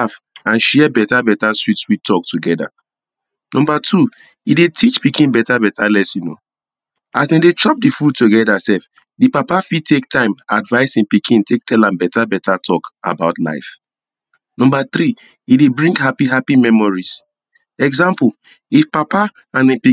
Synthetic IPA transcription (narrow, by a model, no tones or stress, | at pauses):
afãnʃɛbɛtabɛtastɹitswitʰɔk̚tʰuɡɛda̰ | nɔ̃mbatʰu | idetʰit͡ʃpikĩnbɛtabɛtʰalɛsjuno̰ | asɛ̃ndet͡ʃɔp̚difud̚tuɡɛdasɛf | dipapafid̚tʰektʰãɪ̃madvaɪsĩpikʰĩntʰek̚tʰɛlãmbɛtabɛtatʰɔka̰baʊtla̰ɪf | nɔ̃mbaθɹi | idebɹĩŋɡɦapiɦapimɛmɔɹis | ɛɡzãmpl | ifpapa | ãnĩpi